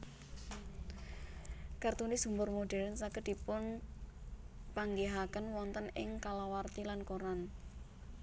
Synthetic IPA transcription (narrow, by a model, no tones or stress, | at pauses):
kart̪unisumbʊrmoɖɛɾənsakəd̪̥i̤pʊn | paŋɡeɦakənwɔnt̪ənɪ̰ŋkalawart̪ilankoɾan